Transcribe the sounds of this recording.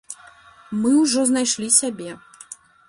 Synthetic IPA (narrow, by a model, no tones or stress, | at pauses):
mɨuwʐɔznajʂlʲisʲabʲɛ